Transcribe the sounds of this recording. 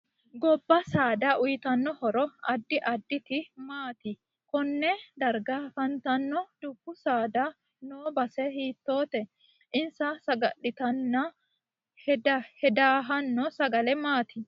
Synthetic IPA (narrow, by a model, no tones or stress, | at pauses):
ɡɔbːɐsaːd̪ɐʔʊjt̪ɐnːɔhɔɾɔɐd̪ːɪʔɐd̪ːɪt̪ɪmaːt̪ɪ | kɔnːɛd̪ɐɾɡafɐnt̪ɐnːɔd̪̥ʊbːʊsaːd̪ɐ | noːbɐsɛɦiːt̪ːo̞ːt̪ɛ | ʔɪnsɐsɐɡɐ̰ɗːɪt̪ɐnːɐ | hɛd̪hɛd̪aːɦɐnːɔsɐɡɐlɛmaːt̪ɪ